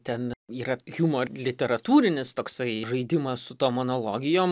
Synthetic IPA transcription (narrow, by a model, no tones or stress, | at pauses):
t̪ʲɛniːɾɐɣʲuːmoːlʲɪt̪ʲɛɾɐt̪uːɾʲɪnʲɪst̪oːksɐɪʒɐɪd̪ʲɪmɐssʊt̪oːmonoːlˠoːɡʲɪjoːm